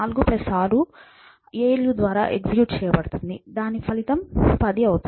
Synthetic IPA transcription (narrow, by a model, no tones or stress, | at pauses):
aːluɡupɾesaːlu | eːeljud̪ʋaːɾaːʔeɡsikjuːʈt͡ʃɛːjɐbɐɽut̪und̪id̪aːnipʰɐlit̪ɐmpɐd̪iɐwut̪